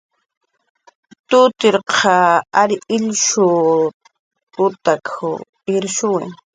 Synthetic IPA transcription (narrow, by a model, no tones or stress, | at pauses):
t̪ʊt̪ɪɾqʰɑaɾɪʎʃʊ | ʊt̪akʰʊ | ɪɾʃʊwɪ